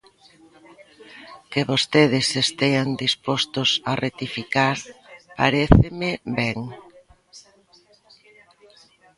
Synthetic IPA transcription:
keβost̪eðɪsest̪eand̪ispost̪ʊsaret̪ifikaɾpaɾeθɪmɪbɛŋ

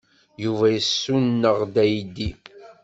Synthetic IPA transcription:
juvæjəsːunːəʁd̪æjd̪i

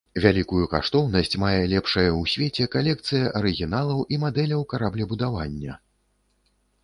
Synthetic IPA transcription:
vʲalʲikujuka̰ʂt̪ɔwnɐsʲt͡sʲmajɛlʲɛpʂɐjɐwsʲvʲet͡sʲɛkalʲɛk̚t̪sɨjɐʔɐɾɨɣʲinalˠɐwʔimad̪ɛlʲɐwkaɾablʲɛbud̪avanʲːɐ

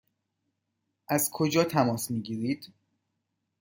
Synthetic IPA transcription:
ʔæzkʰod͡ʒɒːt̪ʰæmɒːsmiːɟiːɾiːd̪̥

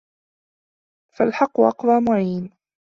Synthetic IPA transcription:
falħɑqːʊʔɑqd̪ˤɑːmʊʕiːn

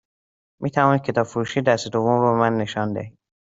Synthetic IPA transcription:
mʔiːt̪ʰævɒːnid̪̚cʰe̞t̪ʰɒːb̥foɾuʃiːd̪æst̪ed̪ovːomɾobemænːe̞ʃɒnd̪ehi̥

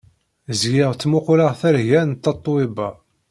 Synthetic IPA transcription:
zɡɪʁt͡sːmʊqləʁθæɾʝænt̪ːɑt̪ˤːoibæ

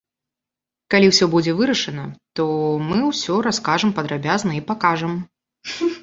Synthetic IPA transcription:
kalʲiwsʲɔbud͡zʲɛvɨɾɐʂɐnɐt̪ɔmɨwsʲɔɾaskaʐɨmpɐd̪ɾabʲaznɐipakaʐɐm

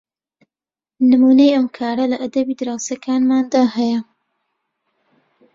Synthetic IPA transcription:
nɨmuːnejɐmkʰaːɾɐlɐʔad̪ɐbiːd̪ɨɾaːwsakʰaːnmaːnd̪aːhɐjɐ

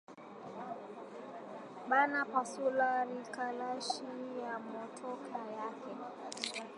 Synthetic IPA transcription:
ɓanapasulaɾikalaʃijamɔtʰɔkʰajakɛ

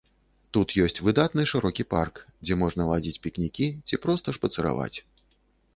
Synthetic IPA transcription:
t̪ut̪jɔsʲt͡sʲvɨd̪at̪nɨʂɨɾɔkʲipa̰rkd͡zʲɛmɔʐnɐlˠad͡zʲit͡sʲpʲiknʲikʲit͡sʲipɾɔst̪ɐʂpɐt̪sɨɾa̰va̰t͡sʲ

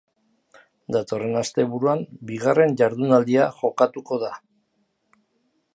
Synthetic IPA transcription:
d̪at̪o̞re̞nast̪e̞βuɾuambiɣ̞are̞nʝaɾðunald̪iaʝo̞kat̪uko̞ða

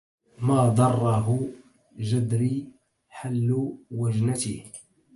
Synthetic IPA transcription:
maːd̪ˤɑrˤːɑɦʊ | ʒad̪ɾi | ħalːʊwaʒnat̪ih

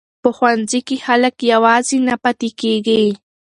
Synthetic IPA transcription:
poxwant͡sɪkːɪhalakjawaːsɪnapat̪ɪkijɢiː

